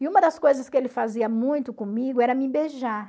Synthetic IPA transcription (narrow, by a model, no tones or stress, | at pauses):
ɪũmɐd̪ɐskojzɐskɪelɪfaziɐmũj̃t̪ʊkõmiɡʊɛɾɐmɪbeʒaɾ